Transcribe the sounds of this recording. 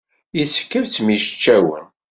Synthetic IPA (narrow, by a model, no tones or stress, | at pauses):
iθkːəɾt͡sːmiʃə̥t͡ʃːæwə̰n